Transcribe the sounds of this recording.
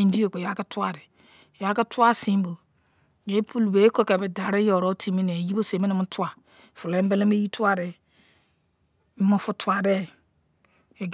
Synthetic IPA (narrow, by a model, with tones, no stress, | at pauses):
i˨n˦di˦o˨k͡pe˨ja˨˦ka˦tu˦a˨de˨ | ja˨˦ka˦tu˦a˦sĩ˦m˦bo˨ | je˨˦pʰu˦lbe˨˦ko˦ke˨be˨da˨ɾe˦jo˨ɾo˦tʰi˦mi˦ne˨ji˦bo˦se˨me˦ne˨mu˦tu˦a˨ | fu˨lbe˦le˦me˦ji˦tu˦a˦de˨˦ | mo˨fu˦tu˨a˨de˦ | e˨ɡ